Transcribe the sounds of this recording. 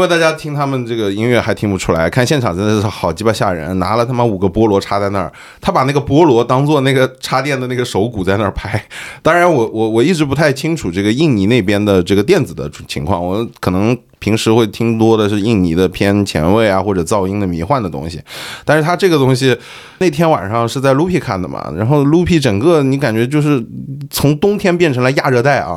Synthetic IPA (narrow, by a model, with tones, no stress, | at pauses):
ĩ˥wɪt̪a˥˩t͡ɕja˥t̪ʰi˥ŋt̪ʰa˥mə˨nʈ͡ʂɤ˥˩ɡə˩i˥ŋɥɛ˥˩xa˧˥ɪt̪ʰi˥ŋpu˧ʈ͡ʂʰu˥la˧˥ɪ˩kʰa˥˧nɕjɛ˥˩nʈ͡ʂʰɑ˨˩ŋʈ͡ʂə˥nd̪ə˧ʂ̩˥˩xɑ˨˩ʊt͡ɕi˧˥pa˧˥ɕja̰˥˩ɻə̰˧˥nna̰˧˥lə˧t̪ʰa˥mə˨nu˨˩ɡə˦pwɔ˥lwɔ˧˥ʈ͡ʂʰa˥t͡sa˥˧ɪna̰˞˥˩ | t̪ʰa˥pa˨˩na˥˩ɡə˩pwɔ˥lwɔ˧˥t̪ɑ˥ŋt͡swɔ˥˧na˥˩ɪɡə˩ʈ͡ʂʰa˥t̪jɛ˥˩nd̪ə˩na˥˩ɪɡə˩ʂo˧˥ʊku˨˩t͡sa˥˧ɪna˞˥˩pʰa˥ɪt̪ɑ˥ŋɻa˧˥nwɔ˨˩wɔ˨˧˥wɔ˨˩i˥˩ʈ͡ʂɻ̩˧˥pu˧˥t̪ʰa˥˩ɪt͡ɕʰi˥ŋʈ͡ʂʰu˨˩ʈ͡ʂɤ˥˩ɡə˩i˥˩ŋni˧˥ne˥˩ɪpjɛ˥nd̪ə˨ʈ͡ʂɤ˥˩ɡə˩t̪jɛ˥˩nd͡zɹ̩˨˩d̪ə̰˦˨˩t͡ɕʰḭ˧˥ŋkʰwɑ̰˥˩ŋwɔ˨˧˩kʰɤ˨˩nɤ˧˥ŋ | pʰi˧˥ŋʂɻ̩˧˥xwe˥˩ɪt̪ʰi˥ŋt̪wɔ˥d̪ə˨ʂɻ̩˥˧i˥˩ŋni˧˥d̪ə˧pʰjɛ˥nt͡ɕʰjɛ̰˧˥nwe˥˩ɪa˩xwɔ˥˩ʈ͡ʂɤ˨˩t͡sɑ˥˧˩ʊi˥ŋd̪ə˨mḭ˧˥xwa˥˩nd̪ə˩t̪ʊ̰˥ŋɕḭ˨t̪a˥˧nʂɻ̩˥˩t̪ʰa˥ʈ͡ʂɤ˥˩ɡə˩t̪ʊ˥ŋɕ̬i˨ | ne˥˩ɪt̪ʰjɛ˥nwa̰˨˩nʂɑ˥˧ŋʂɻ̩˥˧t͡sa˥˧ɪlu˥pʰi˧˥˩kʰa̰˥˩nd̪ə̰˩mɐ̰˩ɻa̰˧˥nxo˥˧ʊlu˥pʰi˥˩ʈ͡ʂɤ˨˩ŋkɤ˥˧ni˧˥ka˨˩nt͡ɕɥɛ˧˥t͡ɕjo˥˧ʊʂ̬ɻ̩˥˩t͡sʰʊ˧˥ŋt̪ʊ˥ŋt̪ʰjɛ˥np̬jɛ˥˩nʈ͡ʂʰɤ˧˥ŋla˧˥ɪja˥˧ɻɤ˥˧t̪a˥˩ɪʔɐ̰˩